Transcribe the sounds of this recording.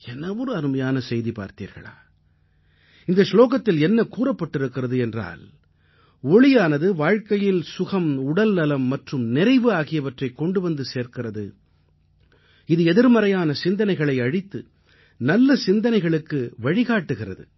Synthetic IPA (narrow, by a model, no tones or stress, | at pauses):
ɛnːɐʋɔɾɯɐɾɯmɐjaːnɐsɛjðipa̰ːɾt̪ḭːɾɣɐ̰ɭa̰ː | ɪnd̪ɐsloːɣɐt̪ːɪlɛnːɐkuːrɐpːɐʈːɪɾɯkːɪrɐðɯɛndra̰ːl | ɔɭɪjaːnɐðɯʋaːɻkɐjɪlsʊɣɐmʊɽɐlnɐlɐmːɐʈrɯmnɪɾɐɪʋɯaːɣɪjɐʋɐʈrɐɪkːɔɳɖɯʋɐnd̪ɯseːɾkɪrɐðɯ̰ | ɪðɯɛðɪɾmɐɾɐjaːnɐsɪnd̪ɐnɐɪɣɐɭɐɪɐɻɪt̪ːɯ | nɐlːɐsɪnd̪ɐnɐɪɣɐɭɯkːɯʋɐɻɪɣaːʈːɯɣɪrɐ̰ðɯ̰